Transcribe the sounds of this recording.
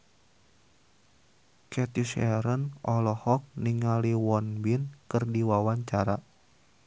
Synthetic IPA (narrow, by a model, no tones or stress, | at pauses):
kɛt̪isɛɾənɔlɔhɔk̚niŋaliwɔnbinkɨrdiwawaɲt͡ʃaɾa